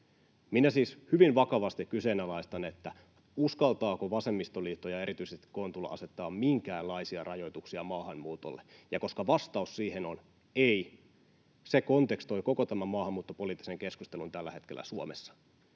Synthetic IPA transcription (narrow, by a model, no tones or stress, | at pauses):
minæsiːshyʋinʋɑkɑʋɑst̪ikkyseːnælɑist̪ɑne̞t̪ːæ | uskɑlt̪ɑːkoʋɑse̞mːist̪oliːt̪ːojɑe̞ɾit̪yisest̪i̥kont̪ulːɑ̰ʔɑ̰se̞t̪ːɑːmmiŋkæːlːɑjsiɑrɑjo̞jt̪uksiɑmɑːhɑnmuːt̪o̰lːejɑko̞skɑʋɑst̪ɑussiːhenon | ei | sekont̪e̞kst̪o̞jko̞kot̪æmæmɑːhɑmːuːt̪ːopo̞liːt̪ːi̥se̞ŋke̞skust̪e̞lunt̪ælːæhe̞t̪kelːæ̰suomesːɑ̥